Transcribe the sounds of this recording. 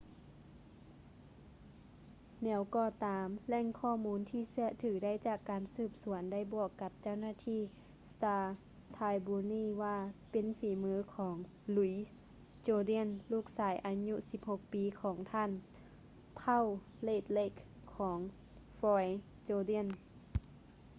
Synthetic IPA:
nɛː˨˧˦wkɔː˧˩t̪aː˨˦mlɛ˧˩˨ŋkʰɔː˧˨muː˧˥nt̪ʰiː˧˨sɯ˧˩ɐt̪ʰɯː˨˩˦da˥˩˨jt͡ɕaː˧˩kːaː˨nsɯː˧˩p̚su˨˩˦ənda˥˩˨jbɔː˧˩kːa˧p̚t͡ɕa˥˩˨wnaː˧˥˨t̪ʰiː˧˥˨ | st̪aː˧ | t̪ʰaː˧jbuː˧niː˧˥˨ʋaː˧pe˨nfiː˨˩˦mɯː˧˥kʰɔː˩˨˦ŋ | lu˧˩˦j | t͡ɕoː˧di˧˥ə˨nluː˧˥˩k̚saː˩˦jʔa˨˧˦ɲu˧˨si˧˦p̚ho˧k̚piː˨˦kʰɔː˩˦ŋt̪ʰaː˧˥˨n | pʰa˧˥˨w | leː˧˩t̪̚le˧˨kʰː | ɔː˩˦ŋ | fɔː˧j | t͡ɕoː˧di˧˥˩ə˨n

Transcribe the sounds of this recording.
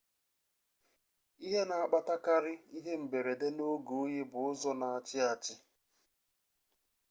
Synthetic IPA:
i˦ɦe˦na˨a˨k͡pa˦ta˦ka˦ɾɪ˦i˦ɦe˦m̩˨be˨ɾe˨de˦no˦ɡo˨˦ɲe˦bʊ˨ʊ˦zɔ˦na˨a˨t͡ʃɪ˦a˨t͡ʃɪ˦

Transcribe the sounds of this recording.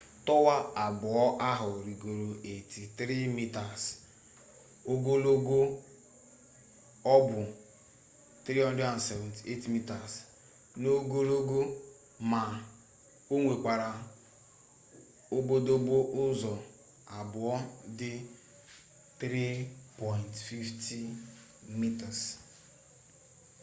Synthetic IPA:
tɔ˦wa˦a˨bʊ˨ɔ˦ʔa˦ɦʊ˨ɾi˨ɡo˨ɾo˨e˨ti˨tɾi˦mi˦ta˨s | o˦ɡo˦lo˦ɡo˦ | ɔ˦bʊ˨ | tɾi˦ɔ˦n˦di˦a˨n̩˨sɛ˨vɔ̃˨ti˨e˦ti˨mi˦ta˨s | no˦ɡo˦lo˦ɡo˦ | ma˨ | o˦ŋʷe˨k͡pa˨ɾa˨ | o˦bo˦do˦bo˦ʔʊ˦zɔ˨ | a˨bʊ˨ɔ˦dɪ˦ | t̪ɾi˦pɔ˨jntfi˦fti˦ | mi˦ta˨s

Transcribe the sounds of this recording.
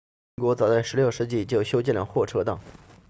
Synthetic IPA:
kwɔ˧˥t͡sɑ˨˩ʊt͡sa˥˩ɪʂɻ̩˧˥ljo˥˧ʊʂɻ̩˥˧t͡ɕi˥˩t͡ɕjo˥˩ʊɕjo˥ʊt͡ɕjɛ˥˩nlə˩xwɔ˥˩ʈ͡ʂʰɤ˥t̪ɑ˥˩ŋ

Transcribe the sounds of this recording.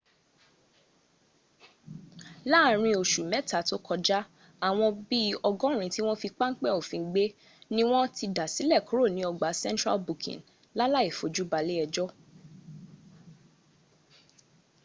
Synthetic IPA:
la˦˨ɾ̃ĩ˧o˨ʃu˨mɛ˨˦ta˨to˦kʰɔ˧d͡ʒa˦ | a˨w̃ɔ̃˧bi˦ɔ˧ɡɔ̃˦˨ɾ̃ĩ˧ti˦w̃ɔ̃˦fi˧k͡pa˦ŋ̩˦k͡pɛ˦˨o˨fĩ˨˦ɡ͡be˦ | nĩ˦w̃ɔ̃˦ti˧da˨si˨˦lɛ˦˨ku˨˦ɾo˦˨nĩ˨˦ɔ˧ɡ͡ba˨˦sɛ̃˦ntɾa̰˦lbu˨kʰḭ̃˨n | la˦la˦i˦˨fo˨d͡ʒu˦ba˧le˦ɛ˧d͡ʒɔ˦

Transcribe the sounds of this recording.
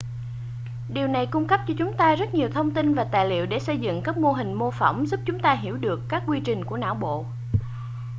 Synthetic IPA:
ɗi˨˩əwna˨˩jkʊ˧ŋ͡mkə˦˥p̚t͡ɕɔ˧t͡ɕʊ˨˦ŋ͡mt̪aː˧zə˦˥t̚ɲi˨˩əwt̪ʰə˧wŋ͡mt̪i˧nvaː˨˩t̪a̰ː˧˨jlḭ˧˨əwɗe˧˩sə˧jzɨ̰˧˨ŋkaː˦˥k̚mo˧ɦï˨˩ŋ̟mo˧fə˧˩wŋ͡mzu˦˥p̚t͡ɕʊ˨˦ŋ͡mt̪aː˧ɦi˧˩əwɗɨ˨˩əkːaː˦˥k̚ːwi˧t͡ɕï˨˩ŋ̟ku˧˩əna̰ː˧˥˩wɓo̰˧˨

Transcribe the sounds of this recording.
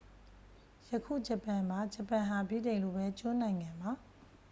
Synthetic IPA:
jə˨kʰṵ˦˨d͡ʑə˨pã˨mba˨˦d͡ʑə˨pːã˨ɦa˨bḭ˦˨dẽ˨ɪ̃lo˦˨bɛ˦t͡ɕo˦nã˨ɪ̃ŋã˨mba˨

